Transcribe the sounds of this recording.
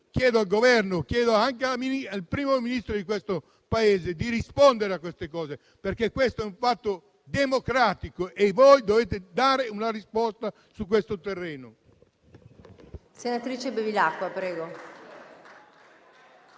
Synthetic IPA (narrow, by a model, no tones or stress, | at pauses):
kjɛːd̪oalɡovɛrnokjɛːd̪oaŋkeaminialpɾiːmominist̪ɾod̪ikwest̪o | paeːzed̪irispond̪eɾeakːwest̪ekɔːze | perkekːwest̪oɛũɱfat̪ːo | d̪emokɾaːt̪ikoʔevojd̪oveːt̪ed̪aːɾeunarispɔst̪a | sukwest̪ot̪erːeːno | senat̪ɾiːt͡ʃebevilakːwapɾɛːɡo